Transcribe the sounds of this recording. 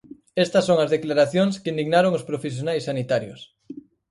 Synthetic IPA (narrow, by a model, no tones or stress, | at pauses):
est̪ɐsːoŋɐzðeklaɾaθjoŋskɪind̪iɣnaɾoŋospɾofesjonajsːanit̪aɾjʊ̰s